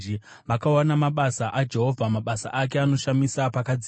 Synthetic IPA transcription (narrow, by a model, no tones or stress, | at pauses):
i | ʋakawanamaɓasaʔad͡ʒe̞ɦo̞vʱamaɓasa̰ʔak̬e̞ano̞ʃamisapakad͡zi